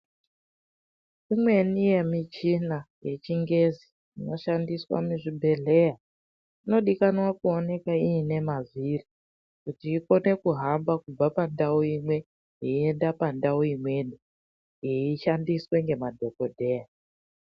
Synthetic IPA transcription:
imwe̞nije̞mit͡ʃinaje̞t͡ʃiŋɡe̞zi | ino̞ʃandiswa̰muʐibʱe̞ɮe̞ja | ino̞ɗikanwakuo̞ne̞kaiːne̞maziri | kutiːko̞ne̞kuɦambakub͡vapandauimwe̞ | ɦeiendapandauimwe̞ɗi | jeiʃandiswe̞ŋɡe̞madʱo̞ko̞dʱe̞ːja

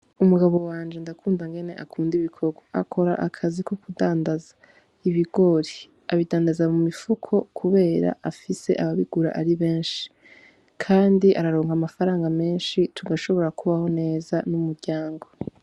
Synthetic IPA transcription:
umuɡaβo̞waːnd͡ʒe̞ndakʰuːndaŋɡe̞ne̞ʔakʰuːndiβikʰo̞ɡwaa̰kʰo̞ɾa̰ʔakʰaziko̞kudaːndazḁ | iβiɡ̥o̞ɾi | aβidaːndazamumifukʰo̞kʰuβe̞ːɾa̰ʔafise̞̰ʔaβaβiɡ̥uɾa̰ʔaɾiβe̞ːnʃi̥ | kʰaːndiʔaɾaɾo̞ːŋɡamafaɾaːŋɡame̞ːnʃitʰuɡaʃo̞βo̞ɾakuβaho̞ne̞ːzanumuɾɟaːŋɡo

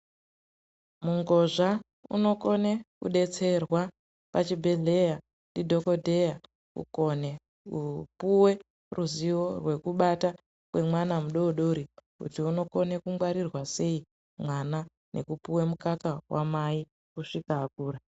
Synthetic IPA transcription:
muŋɡo̞ʐa | ṵno̞ko̞ne̞kṵɗe̞t͡se̞rwa | pat͡ʃibʱe̞ɮe̞ja | ndidʱo̞ko̞dʱe̞ja | ṵko̞ne̞ | upuwe̞ | ruziwo̞rwe̞kuɓata | kwe̞mwanamuɗo̞ɗo̞ɾikṵtiuno̞ko̞ne̞kuŋɡwaɾirwase̞i | mwana | nʔe̞̰kupuwe̞mukakawʔa̰mai | kuʂikaːkuːɾa

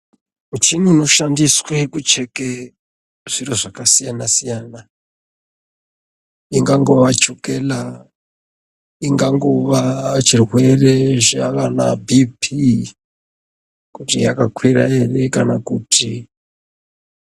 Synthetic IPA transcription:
ut͡ʃinuno̞ʃandiswe̞kut͡ʃe̞ke | ʐ̥iɾoʐakasijanasijaːna | iŋɡaŋɡo̞ʋat͡ʃukela | iŋɡaŋɡoʋat͡ʃirwe̞ret͡ʃakanabʱipʰi | kutijakakwira̰jerekanakutʰi

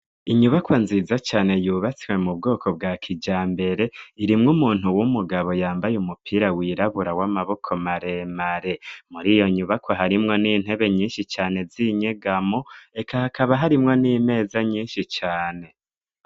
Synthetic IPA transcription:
iɲuβakwanziːzat͡ʃaːne̞juːβat͡swe̞mub̚ɡo̞ːkʰo̞b̚ɡaːkʰid͡ʒaːmbe̞ɾe̞iɾimŋumuːn̥huwumuɡaβo̞jaːmbajumupʰiɾawiːɾaβuɾawamaβo̞kʰo̞maɾe̞maɾe̞muɾijo̞ɲuβakwaɦaɾimŋo̞niːn̥he̞βe̞ɲiːnʃit͡ʃaːne̞ziɲe̞ɡamoe̞kahakaβaɦaɾimŋo̞niːme̞ːzaɲiːnʃit͡ʃaːne̞

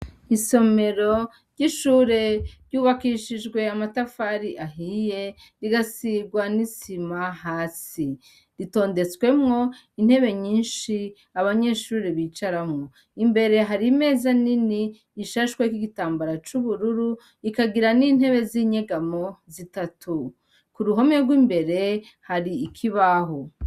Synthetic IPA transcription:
iso̞me̞ɾo̞ | ɾɟiʃuːɾe̞ɾɟuːβakiːʃiʒɡwe̞amatafaɾiʔaɦije̞ | ɾiɡasiɡwanisimaɦaːsi | ɾito̞ːnde̞t͡swe̞mŋo̞ | in̥he̞βe̞ɲiːnʃi | aβaɲe̞ʃuːɾiβiːt͡ʃaɾamŋo̞ | imbe̞ɾe̞ɦaɾime̞ːzaniniː | ʃaʃwekiɡitaːmbaɾat͡ʃuβuɾuɾu | ikaɡiɾaniːn̥he̞βe̞ziːɲe̞ɡamo̞zitatʰu | kuɾuɦo̞meɾɡwiːmbe̞ɾe̞haɾiːkʰiβaɦo

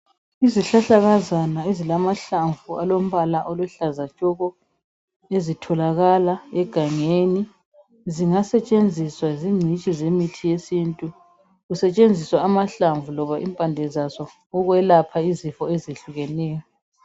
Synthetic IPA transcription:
iziɬaɬaɣazanaezilamaɬaɱvualom̩βalaʔoluɬazat͡ʃʼɔɣɔ | ezitʰɔlaɣalaɛɡ̥ʱaŋeːni | ziŋasɛt͡ʃʼend͡zʱiswaziŋ͡ǀʱit͡ʃʼizemitʰijesintʼu | ɣusɛt͡ʃʼend͡zʱiswaːmaɬaɱvulɔβaʔḭmpʼandʱɛzasɔː | ɣwɛlapʰaizifɔeziɬuɣɛnɛːjɔ

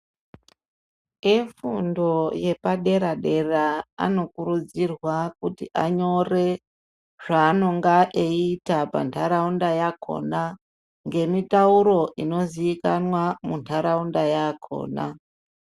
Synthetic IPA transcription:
efundo̞je̞paɗe̞ɾaɗe̞raa̰no̞kuɾud͡zirwakutiʔaɲo̞re̞ | ʐ̥aːno̞ŋɡaʔeiitapa̰ntʰaɾaundajakʰo̞̰na | ŋɡe̞mitauɾo̞ʔino̞ziːkanwamuntʰaɾaundajakʰo̞̰ːna̰

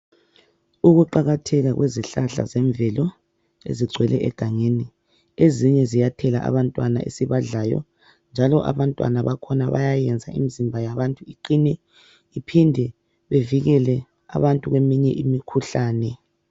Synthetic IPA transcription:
uɣuǃaɣatʰɛɣaɣwʔeziɬaɬa̰zɛɱbvʱɛlɔ | ḛziɡ͡ǀʱwɛlɛʔɛɡ̥ʱaŋeni | eziɲɛzijatʰɛla̰ʔa̰βantʼwana̰ʔḛsiβaɮaːjɔ̰ | nd͡ʒʱalɔʔa̰βantʼwa̰naβakʰɔnaβa̰jajɛnd͡zʱaḭmizimbʱajaβantʼuiǃinɛ | ipʰindʱɛ | βeviɣɛlɛ | a̰βantʼuɣwemiɲɛʔimikʰuɬaːnɛ

